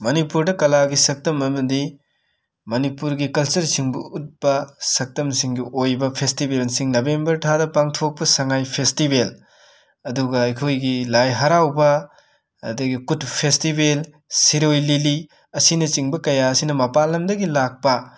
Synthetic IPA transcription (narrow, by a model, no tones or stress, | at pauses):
mɐnipuɾdɐkɐlaɡisɐk̚tɐmɐmɐdi | mɐnipuɾɡikɐlsɐɾsiŋbuut̚bɐsɐk̚tɐmsiŋɡiʔojbɐpʰestibelsiŋnɐbembɐɾtʰadɐpaŋtʰok̚pɐsɐŋajpʰestibel | ɐduɡɐɐjkʰojɡilajɦɐɾawbɐ | ɐ̰dɐɡikutpʰestibel | siɾojlili | ɐsinɐt͡ʃiŋbɐkɐjaɐsinɐmɐpalːɐmdɐɡilak̚pɐ